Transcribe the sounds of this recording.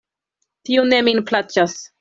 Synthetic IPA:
tiune̞minplat͡ʃas

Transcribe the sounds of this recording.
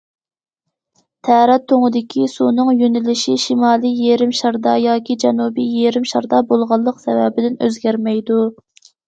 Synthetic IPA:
t̪ʰæɾɛt̪ʰːoŋəd̪ɪkʲʰisunɨŋjynɪlɪʃiʃimɑːlˠijjeɾɪmʃɑɾd̪ɑjɑːkʲʰid͡ʒɛnubijeɾɪmʃɑɾd̪ɑbolˠʁɑlˠːəqsɛvɛ̰bɪd̪ɪnø̰zɡʲæɾmɛjd̪u

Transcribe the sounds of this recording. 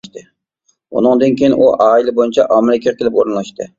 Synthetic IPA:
ʃt̪ɪ | ṵnɨŋd̪ɪnkʲʰejɪnʔuʔɑːilɪbojɪnt͡ʃʰɛʔɑmɪlɪkʲʰɛkʲelɪpoɾnlˠɑʃt̪ɪ

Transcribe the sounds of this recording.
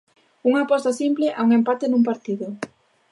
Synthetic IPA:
uŋapɔst̪asimpleʔauŋempat̪enumpaɾt̪iðʊ

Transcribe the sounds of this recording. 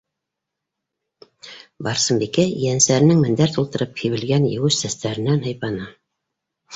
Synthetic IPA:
bɑɾsɤ̆mbikæjænsæɾɘ̆nɘŋmɘ̆nd̪æɾt̪ulˠt̪ɤ̆ɾɤp̚hiβɘ̆lɡænjɘ̆wɘʃsæst̪æɾɘ̆nænhɤ̆jpɑnɤ

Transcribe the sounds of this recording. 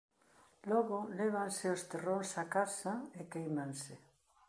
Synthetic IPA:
lɔɣʊlɛβansɪost̪eronsakasaekejmansɪ

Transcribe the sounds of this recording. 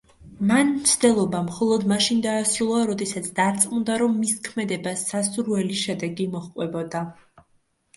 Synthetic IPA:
manmmt̪sʰd̪ɛlˠɔbamχɔlˠɔd̪maʃind̪aːsilˠɔaɾɔd̪ɛsat̪sʰd̪aɾt̪sʼqʼmund̪aɾɔmːiskʰmɛd̪ɛbasːasuɾvɛliʃɛd̪ɛɡimɔχqʼwɛbɔd̪a

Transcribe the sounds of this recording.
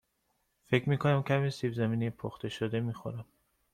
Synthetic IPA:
fecʰɾmiːkʰonæmcʰæmiːsibzæmiːnejepʰoxt̪e̞ʃod̪emixo̰ɾæm

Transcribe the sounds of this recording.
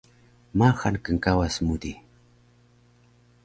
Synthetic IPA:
maxankaŋkawasmʊd̪i

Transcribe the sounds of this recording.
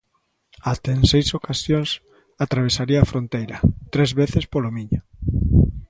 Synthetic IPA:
at̪eensejsokasjoŋs | at̪ɾaβ̞esaɾiɐaːfɾont̪ejɾɐt̪ɾezβeθespolomiɲo

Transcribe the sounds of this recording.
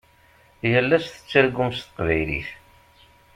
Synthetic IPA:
jəlːæsθə̥t͡sːəɾɡːʊmst̪ə̥qvæjlḭθ

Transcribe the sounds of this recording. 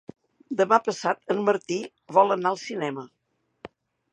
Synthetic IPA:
d̪əmapəsat̪ənːəɾt̪i | βɔlˠənaəlˠsinɛmə

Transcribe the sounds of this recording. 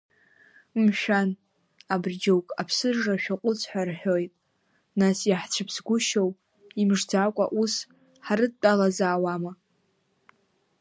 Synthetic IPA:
mʃᶣan | abrd͡ʒowkʼapʰsɨʐraʃᶣaqʷʼʊt͡sʰʼħʷᶣarħᶣojtʼ | nasjaħt͡ʃʷʰɨpʰsɡʷʊʃow | imʐd͡zakʷʼa̰ʔus | ħaɾɨd̚tʼːalazaːwama

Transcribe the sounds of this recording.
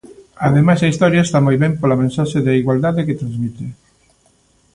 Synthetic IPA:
ɐðemajsɐist̪ɔɾjaest̪amojβɛmpolɐmẽnsaʃeðaiɣwald̪aðeket̪ɾãnzmit̪e

